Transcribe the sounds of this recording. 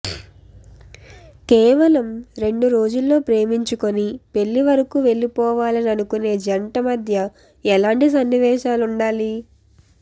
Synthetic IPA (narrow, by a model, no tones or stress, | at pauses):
kɛːʋɐlɐmɾe̞ɳɖuɾo̞ːd͡ʒulːo̞ːpɾe̞ːmiɲt͡ʃuko̞nipe̞ɭːiʋɐɾɐkuʋe̞ɭːipɔːʋaːlɐnɐnukune̞ːd͡ʒɐɳʈɐmɐd̪ʱjɐ | ɛlaːɳʈis̬ɐnːiʋɛːʃaːluɳɖaːli